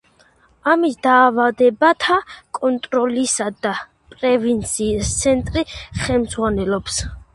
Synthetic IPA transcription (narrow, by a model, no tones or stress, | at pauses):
amisd̪aːvad̪ɛbat̪ʰakʼɔnt̪ʼɾɔlisad̪a | pʼɾɛvint̪sʰiːst̪sʰɛnt̪ʼɾiχɛlmzʁwanɛlɔps